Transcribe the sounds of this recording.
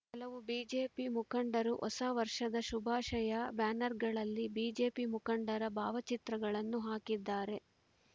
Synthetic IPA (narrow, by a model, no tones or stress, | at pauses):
hɐlɐʋubiːd͡ʒeːpimukɐɳɖɐɾuʔɔ̰saːʋɐɾʂɐd̪ɐʃubʱaːʃɐjɐbaːnɐɾɡɐɭɐlːibiːd͡ʒe̞ːpimukɐɳɖɐɾɐbʱaːʋɐt͡ʃit̪ɾɐɡɐɭɐnːuɦaːkid̪ːaːɾe̞